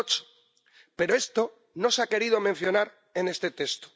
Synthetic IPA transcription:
t͡ʃo̥ | pe̞ɾoe̞st̪o̞ | no̞seake̞ɾið̞o̞mẽn̟θjo̞naɾ | e̞ne̞st̪e̞t̪e̞st̪o̥

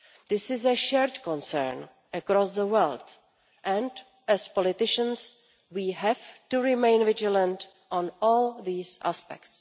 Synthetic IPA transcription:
ðɪsɪzəʃɛɹt̪kɔ̃nsɛ̰ɹn | ʔəkɾɔsðəwɛlt | ʔɛ̃nd | ɛspɔlɪt̪ɪʃə̃ns | wiːɦɛvtuɹɪmẽɪ̃nvɪd͡ʒələ̃nt | ʔɔ̃nɔːlðiːsʔa̰spɛ̰kts

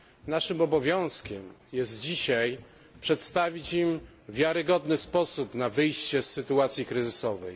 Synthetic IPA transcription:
naʂɘmɔbɔvʲjɔ̃w̃skʲɛmjɛzt̪d͡ʑiɕaj | pʂɛt̪st̪avʲit͡ɕim | vʲjaɾɘɡɔd̪nɘspɔsupnavɘjɕt͡ɕɛsːɘt̪uat̪sʲjikɾɘzɘsɔvɛ̰j

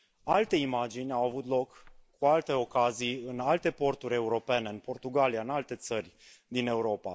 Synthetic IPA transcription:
alt̪e̞imad͡ʒinʲawavut̪lo̞kː | ualt̪e̞o̞kazijɨnalt̪e̞po̞rt̪uɾʲe̞uɾo̞pe̞ne̞ɨnpo̞rt̪uɡaliaɨnalt̪e̞t̪sərʲ | d̪ine̞uɾo̞pa

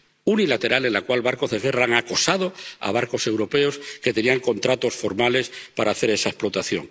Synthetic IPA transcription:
unilat̪e̞ɾale̞nlakwalβaɾko̞zðeɣe̞raaŋako̞saðo̞a̰β̞aɾko̞se̞wɾo̞pe̞o̞ske̞t̪e̞niaŋko̞nt̪ɾat̪o̞sfo̞ɾmale̞spaɾaːθe̞ɾe̞sae̞splo̞t̪aθjo̞̰ŋ

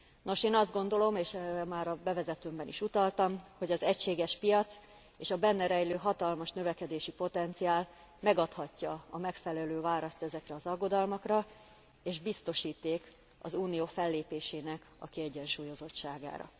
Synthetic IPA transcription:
no̞ʃeːnɒzd̪ɡo̞nd̪o̞lo̞meːʃɛrɛmaːɾɒbɛvɛzɛt̪øːmbɛniʃut̪ɒlt̪ɒmho̞ɟɒzɛcʃeːɡɛʃpijɒt̪s | eːʃɒbɛnːɛɾɛjløːɦɒt̪ɒlmɒʃnø̞vɛkɛd̪eːʃipo̞t̪ɛnt̪sijaːl | mɛɡɒt̪hɒcːɒɒmɛkfɛlɛløːvaːɾɒst̪ɛzɛkrɛɒzɒɡːo̞d̪ɒlmɒkrɒ | eːʒbist̪o̞ʃiːt̪ːeːk | ɒ̰zuːnioːfɛlːeːpeːʃeːnɛk | ɒ̰kiɛɟːɛnʃuːjo̞zo̞t̪ʃaːɡa̰ːɾɒ̰

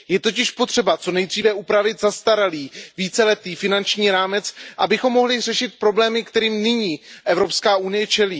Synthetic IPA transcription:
jɛt̪o̞cɪʃpo̞t̪r̝̥ɛbat͡so̞nɛjd̪riːvɛʔupɾavɪt̪zast̪aɾaliːviːt͡sɛlɛt̪iːfɪnant͡ʃɲiːɾaːmɛt͡sʔabɪxo̞mːo̞ɦlɪr̝ɛʃɪt̪̚pɾo̞blɛːmɪkt̪ɛɾiːmnɪɲiːʔɛvɾo̞pskaːʔunɪjɛt͡ʃɛliː

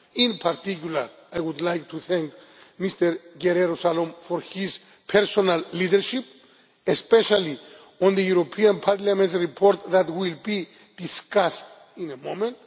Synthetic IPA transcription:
ĩnpʰaɾt̪ikjula̰ɾ | ajwud̪lajk̚t̪ʰuθɛ̃ŋk | mist̪eɾɡeɾeɾosalõmfoɾhiz | pʰɛɾsonalːidɛɾʃip | espɛʃali | ɔ̃nðəjuɾopʰiãnpʰaɾlamẽntsɹipʰoɾt̪ðat̪wilbi | d̪̥iskast | ĩnemõmẽnt̪

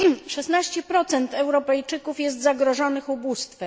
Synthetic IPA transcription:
ʂɛsnaɕt͡ɕɛpɾɔt̪sɛnt̪ɛwɾɔpɛjt͡ʂɘkufjɛs̬t̪zaɡɾɔʐɔnɘxubust̪fɛ

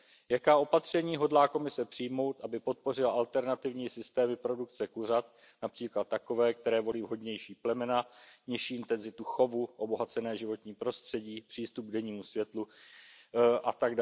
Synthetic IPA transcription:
jakaːʔo̞pat̪r̝̥ɛɲiːɦo̞dlaːko̞mɪsɛpr̝̥ɪjmo̞wt̪ʔabɪpo̞t̪̚po̞rɪlaʔalt̪ɛɾnat̪ɪvɲiːsɪst̪ɛːmɪpɾo̞dukt͡sɛkur̝at̪̚ | napr̥iːklat̪ːako̞vɛːkt̪ɛɾɛːvo̞liːvɦo̞dɲɛjʃiːplɛmɛnaɲɪʃiːɪnt̪ɛnzɪt̪uxo̞vuʔo̞bo̞ɦat͡sɛnɛːʒɪvo̞t̪ɲiːpɾo̞st̪r̥ɛɟiːpr̥iːst̪up̚ɡ̚dɛɲiːmusvjɛt̪lu | ʔat̪aɡd

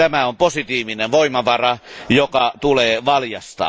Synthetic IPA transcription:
æmæomposit̪iːʋineʋʋoimɑʋɑrɑjokɑt̪uleːʋɑljɑst̪ɑ̰

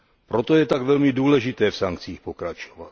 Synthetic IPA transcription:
pɾot̪ojɛt̪aɡvɛlmɪduːlɛʒɪt̪ɛːfsaŋkt͡siːxpokɾat͡ʃovat̪

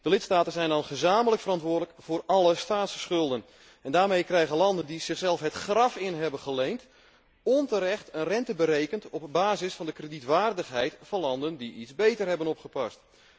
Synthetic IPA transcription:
d̥əlɪtstaːtənzɛjndɑnχəzaːmələkfərɾɑntʋʊːɹdələkv̥ʊːrɑləstaːtsə̥sχɵlˠdən | ɛndaːɹmejkrɛjɣənlɑndəndiz̥ɪχsɛlˠfɦətχrɑfɪnɦɛbənχəlejnt | ɔntəɾɛχtənrɛntəbəɾejkəntɔp̚baːzɪsfɑndəkrəditʋaːrdəχɦɛjtfɑnlɑndəndiizbejtərɦɛbənɔpχəpɑst

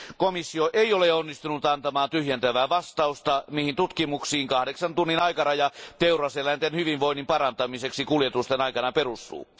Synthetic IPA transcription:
komisːioʔeioleonːist̪unut̪ɑnt̪ɑmɑːnt̪yhjent̪æʋæːʋɑst̪ɑust̪ɑmihint̪ut̪kimuksiːŋkɑhɾeksɑnt̪unːinɑikɑrɑjɑt̪eurɑselænt̪enhyʋiʋʋoinːimpɑɾɑnt̪ɑmiseksikuljet̪ust̪enɑikɑnɑperust̪ṵː

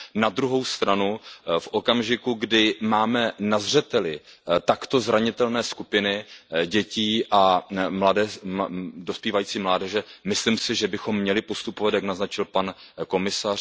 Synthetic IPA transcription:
nad̪ɾuɦo̞wst̪ɾanufʔokamʒɪkuɡdɪmaːmɛnazr̝ɛt̪ɛlɪ | t̪akt̪o̞zɾaɲɪt̪ɛlnɛːskupɪnɪɟɛciːʔamladɛ | dospjiːvajiːt͡siːmlaːdɛʒɛmɪslɪmsɪʒɛbɪxo̞mːɲɛlɪpo̞st̪upovat̪jaknaznat͡ʃɪlpanko̞mɪsar

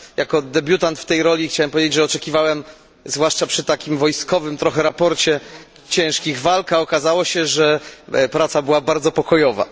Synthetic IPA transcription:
jakɔd̪ɛbʲjut̪ant̪ft̪ɛjɾɔlʲixt͡ɕawɛmpɔvʲjed͡ʑed͡ʑʐɛɔt͡ʂɛkʲivawɛm | zvwaʂt͡ʂapʂɘt̪akʲimvɔjskɔvɘmt̪ɾɔxɛɾapɔɾt͡ɕɛ | t͡ɕɛ̃ʂkʲiɣvalkaɔkazawɔɕɛʐɛpɾat̪sabɘwabaɾd̪zɔpɔkɔjɔva̰

